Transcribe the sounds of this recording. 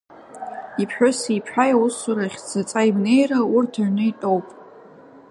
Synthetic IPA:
ipʰħʷᶣʊsipʰħajawusaɾaχʲd͡zʰat͡sʼaimne̞jraʊrtʰaʕnɨitʼo̞wpʼ

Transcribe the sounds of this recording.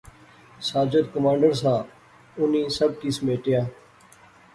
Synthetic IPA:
saːd͡ʒəd̪kʊmãːɳɖəɾsaː | ʊnĩːsəb̚kiːsmeːʈɪjãː

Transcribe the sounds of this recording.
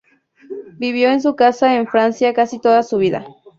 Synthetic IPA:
biβjoens̬ukasaenfɾansjakasit̪od̪asʊβid̪a̰

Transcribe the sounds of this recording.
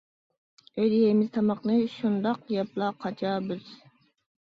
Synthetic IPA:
øjd̪ijemɪz̥t̪ʰɑmɑqnɨʃund̪ɑqjɑplˠɑːqʰɑt͡ʃʰɑːbɪz̥

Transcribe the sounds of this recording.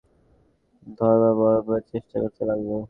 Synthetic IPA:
d̪ʱɔɾbabɔɾopɔet͡ɕeʃʈakoɾt̪elaɡbo

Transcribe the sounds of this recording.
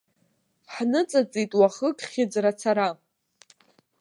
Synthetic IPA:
ħnɨt͡sʼat͡sʼitʼwaχəkʼχʲɪd͡zrat͡sʰaɾa

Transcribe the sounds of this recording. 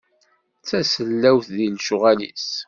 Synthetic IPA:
t͡sːæsəlːæwθðilʃʊʁælḭs

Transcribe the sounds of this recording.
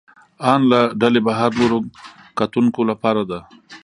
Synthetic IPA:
ɑnlaɖalebaɦaɾloɾo | kat̪uŋkolapɑɾad̪a

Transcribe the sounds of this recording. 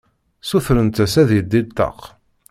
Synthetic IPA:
suθɾənt̪æsæðjd̪ːit̪ːɑ̰q

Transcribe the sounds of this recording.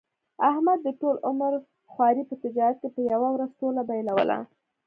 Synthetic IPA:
ahmad̪ːəʈolʊmaɾ | xwɑɾipət̪ɪd͡ʒɑɾat̪̚kepəjawawɾazʈolabajlawə̰la̰

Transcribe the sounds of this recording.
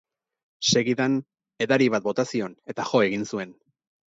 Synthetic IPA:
se̞ɣiðan | e̞ðaɾiβat̪̚bo̞t̪asio̞ne̞t̪aʝo̞e̞ɣinsue̞n

